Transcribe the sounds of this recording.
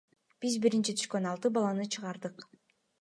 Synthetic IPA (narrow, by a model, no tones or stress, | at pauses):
b̥izbiɾint͡ʃit̪ʰy̥ʃkø̞nɑlˠt̪ɯbɑlˠɑnɯt͡ʃʰɯʁɑɾd̪ɯq